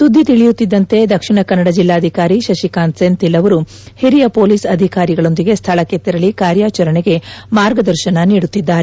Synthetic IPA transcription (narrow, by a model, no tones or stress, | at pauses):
sud̪ʱːit̪iɭijut̪ːid̪ːɐnt̪e̞d̪ɐkʂiɳɐkɐnːɐɽɐd͡ʒilːaːd̪ʱikaːɾiʃɐʃikaːnsent̪ilːɐʋɐɾu | hiɾijɐpo̞ːliːsɐd̪ʱikaːɾiɡɐɭo̞nd̪iɡe̞st̪ʰɐɭɐket̪ːiɾɐɭikaːɾjaːt͡ʃɐɾɐɳeɡe̞maːɾɡɐd̪ɐɾʃɐnɐniːɽut̪ːid̪ːaːɾe